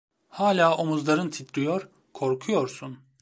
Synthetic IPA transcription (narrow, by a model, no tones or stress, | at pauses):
haːlʲaːʔo̞muzlˠaɾɯnt̪ʰit̪ɾijoɾ | kʰo̞ɾkʰujo̞ɾsun